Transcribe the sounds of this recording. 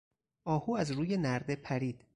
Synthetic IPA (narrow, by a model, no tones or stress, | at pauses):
ʔɒːhuːæzɾuːje̞næɾd̪e̞pʰæɾiːd̪̥